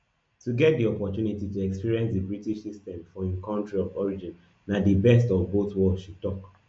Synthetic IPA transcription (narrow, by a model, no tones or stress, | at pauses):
tuɡɛt̚diɔpɔtunitituɛkspiɹiɛ̃nsdəbɹitiʃsistɛ̃mfɔĩnkãntɹiɔvɔɹid͡ʒĩn | nadəbɛstɔvboθwɔldʃutɔk